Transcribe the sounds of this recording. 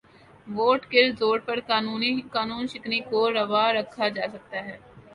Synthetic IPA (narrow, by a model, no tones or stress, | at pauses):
ʋoːʈkelzoːɽpɐɾkaːnuːnikaːnuːnʃɪknikoɾɐʋaɾɐkʰːad͡ʒaːsɐk̚t̪aɦɛː